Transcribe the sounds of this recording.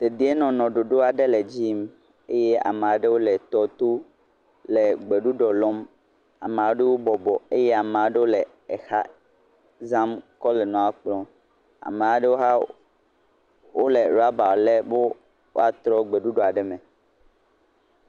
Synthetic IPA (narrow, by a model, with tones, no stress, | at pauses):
t̪e˨d̪i˦e˦nɔ̃˨nɔ̃˨ɖo˨ɖo˦a˨ɖe˦lɛ˨d͡ʑi˦m | e˦je˦a̰˨me˨a˨ɖe˦wo˦lɛ˨t̪ɔ˨t̪o˦ | lɛ˨ɡ͡be˨ɖu˦ɖɔ˨lɔ˦m | a̰˨mẽ˨a˨wɖe˦wo˦bɔ˨bɔ˨e˦je˦a˨mẽ˨a˨˦ɖe˦wo˦lɛ˨ | e˨xa̰˦ | za˦mkɔ˦lɛ˨nɔ̃˨a˨k͡plɔ̃˦ | a̰˨me˨a˨ɖe˦wo˦ɦa˦ | wo˦le˨ɾa˦ba˨le˦bo˦ | wo̰˦a˨t̪ɾɔ˦ɡ͡be˨ɖu˦ɖɔ˨a˨ɖɛ˦mɛ̃˨